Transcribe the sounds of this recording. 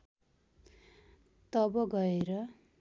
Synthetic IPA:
t̪ʌbʌɡʌeɾʌ

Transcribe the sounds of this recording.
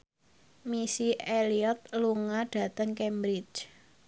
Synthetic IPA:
misieliɔt̪̚luŋaɖ̥ä̤t̪əŋkɛmbɾit͡ʃ

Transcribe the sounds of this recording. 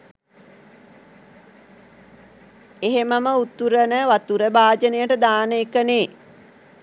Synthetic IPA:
eɦeməməut̪ːuɾənəʋat̪uɾəbaːd͡ʒənejəʈəd̪aːnəekːəneː

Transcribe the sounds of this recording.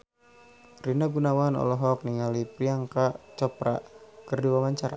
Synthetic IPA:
rinaɡunawanɔ̰lɔɦɔk̚niŋalipɾiaŋkat͡ʃɔpɾa̰kərduwamaɲt͡ʃaɾa̰

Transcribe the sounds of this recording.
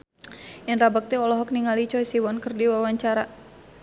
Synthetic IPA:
ʔɛnrabak̚t̪ɛɔlɔɦɔk̚niŋalit͡ʃɔisiwɔnkɨrdiwawaɲt͡ʃaɾa

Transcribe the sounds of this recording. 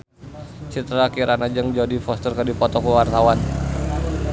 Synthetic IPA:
t͡ʃit̪ɾakiɾʔanad͡ʒəŋd͡ʒodifɔst̪ərkərdipɔt̪ɔkuwart̪awan

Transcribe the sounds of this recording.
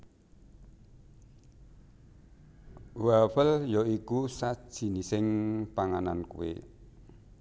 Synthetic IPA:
wawəljɔikusḁʒ̥i̤nisɪŋpaŋanankṵḛ

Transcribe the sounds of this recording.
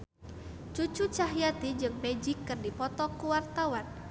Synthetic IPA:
t͡ʃut͡ʃut͡ʃaɦjat̪id͡ʒɨŋmɛd͡ʒɪkːɨrdipɔt̪ɔkuwart̪awan

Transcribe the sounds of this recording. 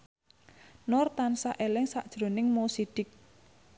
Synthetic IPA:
nɔrt̪ansaʔelɪŋsa̰ʔd̥ʒ̥ɾo̤nɪŋmosiɖ̥ɪk̚

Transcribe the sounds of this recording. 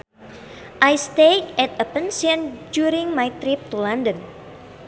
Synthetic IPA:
ʔajst̪eɛt̪əpənsiə̃nd͡ʒuɾĩŋmajt̪ɾip̚t̪ulandə̃n

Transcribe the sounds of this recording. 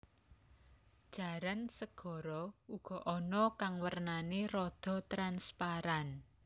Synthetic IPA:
d̥ʒ̥a̤ɾansəɡ̥ɔ̤ɾɔuɡ̥ɔ̤ʔɔnɔkaŋwərnaneɾɔd̪̥ɔ̤t̪ɾanspaɾan

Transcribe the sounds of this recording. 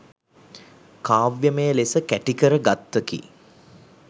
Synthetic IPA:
kaːʋjəməjəlesəkæʈikəɾəɡat̪ːəkḭ

